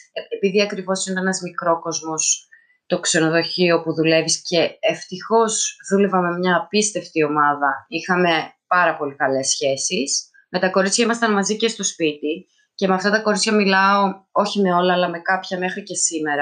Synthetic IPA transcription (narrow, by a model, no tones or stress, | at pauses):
epiðiɐkɾivo̞sint̪ɐenɐzmikɾo̞ko̞zmo̞s | t̪o̞kse̞no̞ðo̞çio̞puðule̞visce̞ːft̪ixo̞zðulevɐme̞mɲɐːpist̪e̞ft̪io̞mɐðɐixɐme̞pɐɾɐpo̞likɐle̞sːçe̞sis | me̞t̪ɐko̞ɾit͡sçɐimɐst̪ɐnmɐzice̞st̪o̞spit̪i | ce̞meɐft̪ɐt̪ɐko̞ɾit͡sçɐmilɐo̞o̞çime̞o̞lɐːlɐme̞kɐpçɐme̞xɾice̞sime̞ɾɐ